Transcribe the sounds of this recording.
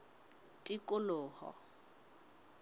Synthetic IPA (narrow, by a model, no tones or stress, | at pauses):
tʼikʼʊlʊːhɔ̰